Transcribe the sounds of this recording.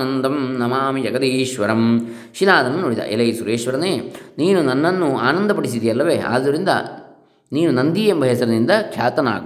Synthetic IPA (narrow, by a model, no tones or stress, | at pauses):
nɐnd̪ɐmnɐmaːmid͡ʒɐɡɐd̪eːʃʋɐɾɐm | ʃilaːd̪ɐmɐnoːɽid̪ɐ̰ʔḛlɐjsuɾeːʃʋɐɾɐneːniːnunɐnːɐnːua̰ːnɐnd̪ɐp̬ɐɽis̬id̪ijɐlːɐʋeːʔa̰ːd̪ːɐɾind̪ɐ̰ | niːnunɐnd̪iːjembʱɐɦɐsɐɾɐnind̪ɐkʃaːt̪ɐna̰ː